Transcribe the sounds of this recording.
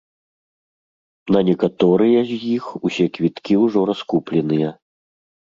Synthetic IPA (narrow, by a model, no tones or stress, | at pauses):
nɐnʲɛkat̪ɔɾɨjɐzʲjixusʲɛkvʲit̪kʲiwʐɔɾaskuplʲɛnɨjɐ